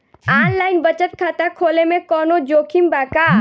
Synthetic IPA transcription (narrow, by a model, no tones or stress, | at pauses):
aːnlaːɪnbət͡ʃət̪̚kʰaːt̪akʰoːlemẽkɔːnod͡ʒoːkʰimbaːka